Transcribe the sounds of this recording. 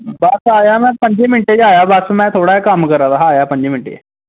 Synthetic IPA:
baːsaːjamɛ̃pəɲd͡ʒemɪɳʈed͡ʒaːjabasmɛ̃t̪ʰoːɽaɦekaːmkəɾat̪aɦaːjapə̃ɲd͡ʑemɪɳʈḛ

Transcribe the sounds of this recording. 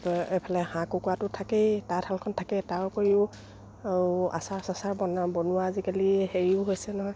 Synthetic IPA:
epʰalɛhãkukuatʊtʰaketaɹtʰalkʰɔntʰakɛtaɹkoɹiʊ | a̰sasasaɹbɔnabɔnʊaːzikaliheɹiʊɦojsɛnɔɦɔj

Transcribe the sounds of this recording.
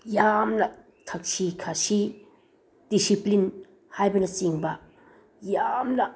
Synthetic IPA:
jamnɐ | tʰɐk̚sikʰasi | d̥isiplin | hajbɐnɐt͡ʃiŋbɐ | jamnɐ

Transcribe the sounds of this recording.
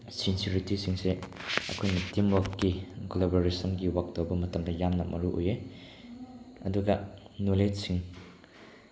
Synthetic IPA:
sinsuɾitisiŋseɐ̰kʰojnɐtimwakkːiɡolaboɾesɐnɡiwak̚dowbɐmɐtɐmdɐjamnɐmʔɐɾuʔo̰je | ɐ̰duɡɐ | nulet̚siŋ

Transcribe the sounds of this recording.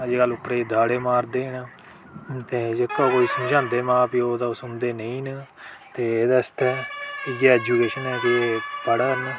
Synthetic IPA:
əd͡ʒeːɡəlːʊpːɾeːiːd̪aːɽeːmaːɾd̪eːn | t̪eːd͡ʒekːaːkoːiːsəd͡ʒãːnd̪eːmãːpioːt̪asʊnd̪eːnəĩːn | t̪eːeːd̪ast̪ɛːɪɡaɛːd͡ʒuːkeːʃənɛːkɪeːpəɽəɾne

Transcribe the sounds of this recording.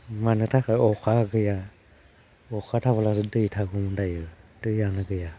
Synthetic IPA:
manɯtʰakaɔkʰaɡɯja | ɔkʰatʰaβəlas̬ɯdɯjtʰaɡumndajɯdɯjanaɡɯja

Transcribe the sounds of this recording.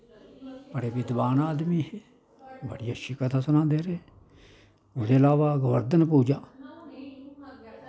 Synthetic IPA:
pəɽeːbɪd̪baːnaːd̪miːɦe | bə̰ɽɪjaːʃikət̪aːsʊnãːd̪eːɾeː | ʊd̪eːəlaːʋaːɡʋəɾd̪ənpuːd͡ʒaː

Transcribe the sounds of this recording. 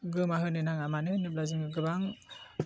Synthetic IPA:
ɡɯmaɦɯnɯnaŋamanɯnɯp̚lazɯŋɡɯɡɯbaŋ

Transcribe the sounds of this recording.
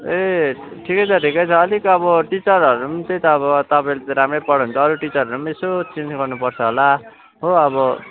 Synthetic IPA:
eʈʰikʌjt͡sʰʌʈʰikʌjt͡sʰʌːlikʌbʌʈit͡sʌɾʌɾumt̪et̪ʌːβʌt̪ʌpaj̃let̪ʌɾamrʌpʌɽɦunt͡sʰʌːɾuʈit͡sʌɾʌɾumesot͡sind͡zɡʌrnupʌrt͡sʰʌɦola | ɦoʌβʌ

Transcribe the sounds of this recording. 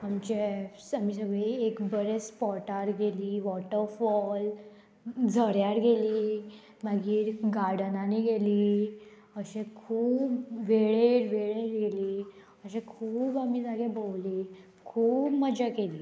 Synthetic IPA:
amt͡ɕesamisəɡeiekbəɾespɔʈaɾɡeliːʋɔʈəɾfɔl | d͡zʱəɾjaɾɡeliː | maɡiːɾɡaɾɽənaniɡeliː | əɕẽkʰuːpʋeɭeɾʋeɭeɾɡeliː | əɕẽkʰuːbamid͡zaɡẽbolliː | kʰuːpməd͡ʑakeliː

